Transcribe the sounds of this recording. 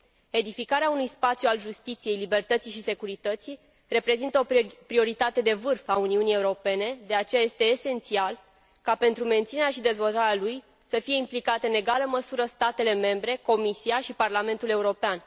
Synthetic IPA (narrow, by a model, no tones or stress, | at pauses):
e̞d̪ifikaɾeaunujspat̪sjualʒust̪it̪sije̞jlibe̞rt̪ət̪siʃise̞kuɾit̪ət̪sij | re̞pɾe̞zint̪əopɾio̞ɾit̪at̪e̞d̪e̞vɨrfauniunije̞uɾo̞pe̞ne̞d̪e̞at͡ʃe̞jaje̞st̪e̞ːse̞nt̪sial | kape̞nt̪ɾume̞nt̪sineɾeaʃid̪e̞zvo̞lt̪aɾealuj | səfije̞implikat̪eɨne̞ɡaləməsuɾəst̪at̪e̞le̞me̞mbɾe̞ko̞misiaʃiparlame̞nt̪ule̞uɾo̞pean